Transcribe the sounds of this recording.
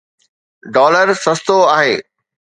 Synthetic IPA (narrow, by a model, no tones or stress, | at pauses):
ɖɔːləɾsɐst̪oaːɦeː